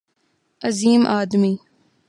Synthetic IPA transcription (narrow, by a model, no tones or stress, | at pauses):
ɐziːmʔaːd̪miː